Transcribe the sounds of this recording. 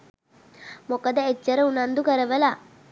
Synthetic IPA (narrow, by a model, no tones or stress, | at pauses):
mokɐd̪ɐet͡ʃɐɾɐunɐnd̪ukɐɾɐʋɐla